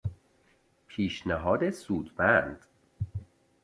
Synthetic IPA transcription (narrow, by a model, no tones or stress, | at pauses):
pʰiːʃnæɦɒːd̪esuːd̪bænd̪̥